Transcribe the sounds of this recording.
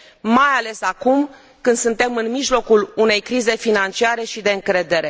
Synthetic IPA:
majale̞sakum | kɨnd̪sɨnt̪e̞mɨnmiʒlo̞kulune̞jkɾize̞finant͡ʃiaɾe̞ʃid̪e̞ɨŋkɾe̞d̪e̞ɾe̞

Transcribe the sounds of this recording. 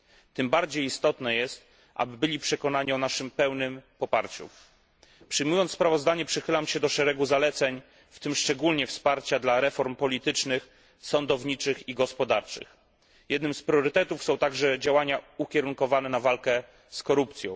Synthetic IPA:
t̪ɘmbaɾd͡ʑejist̪ɔt̪nɛjɛst̪ | ʔa̰bɘbɘlʲipʂɛkɔnaɲiɔnaʂɘmpɛwnɘmpɔpa̰ɾt͡ɕṵ | pʂɘjmujɔnt̪spɾavɔzd̪aɲɛpʂɘxɘlamɕɛd̪ɔʂɛɾɛɡuzalɛt̪sɛɲ | ft̪ɘmʂt͡ʂɛɡulɲɛfspaɾt͡ɕad̪laɾɛfɔɾmpɔlʲit̪ɘt͡ʂnɘx | sɔnd̪ɔvɲit͡ʂɘxiɡɔspɔd̪aɾt͡ʂɘ̰x | jɛd̪nɘmspɾʲjɔɾɘt̪ɛt̪ufsɔ̃w̃t̪aɡʐɛd͡ʑawaɲaukʲɛɾuŋkɔvanɛnavalkɛ | skɔɾupt̪sʲjɔ̃w̃

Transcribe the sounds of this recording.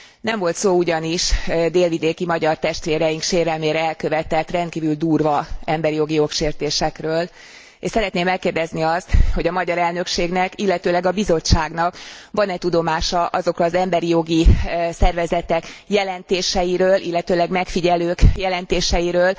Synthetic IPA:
nɛɱvo̞lt̪soːuɟɒniʃd̪eːlvid̪eːkimɒɟɒrt̪ɛʃt̪ʋeːɾɛjiŋkʃeːɾɛlmeːɾɛɛlkø̞vɛt̪ɛt̪ːrɛnt̪̚kiːvyld̪uːrvɒɛmbɛɾijo̞ɡijo̞kʃeːrt̪eːʃɛkrøːl | eʃsɛɾɛt̪neːmɛkːeːrd̪ɛzniɒst̪ho̞ɟɒmɒɟɒɾɛlnø̞kʃeːɡnɛkilːɛt̪øːlɛɡɒbizo̞t͡ʃːaːɡnɒkvɒnɛt̪ud̪o̞maːʃɒʔɒzo̞krɒːzɛmbɛɾijo̞ɡisɛrvɛzɛt̪ɛkjɛlɛnt̪eːʃɛjiɾøːlʔilːɛt̪øːlɛɡmɛkfiɟɛløːkjɛlɛnt̪eːʃɛjiɾøːl

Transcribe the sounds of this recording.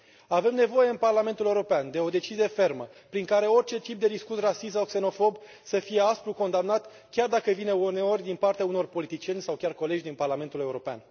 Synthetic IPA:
ave̞mne̞vo̞je̞ɨnparlament̪uleuɾo̞peand̪e̞o̞d̪e̞t͡ʃizije̞fe̞rməpɾiŋkaɾe̞o̞rʲt͡ʃe̞t̪ip̚d̪ed̪iskusrasis̬okse̞no̞fo̞b | səfije̞aspɾuko̞nd̪amnat̪ | kʲard̪akəvineuneo̞rʲd̪inpart̪eauno̞rpo̞lit̪it͡ʃije̞nʲsawkʲarko̞le̞d͡ʒʲd̪inparlame̞nt̪ule̞uɾo̞pea̰n

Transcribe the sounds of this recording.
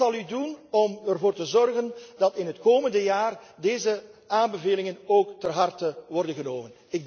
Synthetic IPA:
ɑlˠydunɔmərvoːrtəzɔrɣənd̥ɑtɪnɦətkoːməndəjaːrdeːzəaːnbəveːlɪŋənoːktərɦɑrtəʋɔrdənɣənoːmən | ɪɡ̚

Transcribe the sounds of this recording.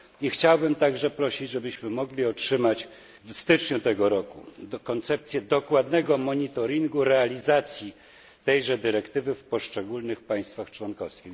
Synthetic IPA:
ixt͡ɕawbɘmt̪aɡʐɛpɾɔɕid͡ʑʐɛbɘɕmɘmɔɡlʲiɔtʂɘmat͡ɕ | vst̪ɘt͡ʂɲut̪ɛɡɔɾɔkṵkɔnt̪sɛpt̪sʲjɛd̪ɔkwad̪nɛɡɔmɔɲit̪ɔɾʲiŋɡuɾɛalʲizat̪sʲji | t̪ɛjʐɛd̪ɘɾɛkt̪ɘvɘfpɔʂt͡ʂɛɡulnɘxpaj̃st̪faxt͡ʂwɔnkɔfskʲix

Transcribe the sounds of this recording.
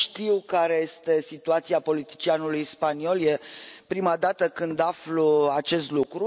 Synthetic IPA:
ʃt̪iwkaɾe̞je̞st̪e̞sit̪uat̪siapo̞lit̪i̥t͡ʃianulujspanio̞ljepɾimad̪at̪əkɨnd̪afluat͡ʃe̞st̪lukɾu

